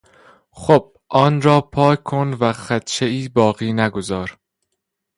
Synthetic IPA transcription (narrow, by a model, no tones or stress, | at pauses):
xob̥̚ | ʔɒːnɾɒːpʰɒːkʰonvæxæt̪t͡ʃʰeiːbɒːɣiːnæɡozɒːɾ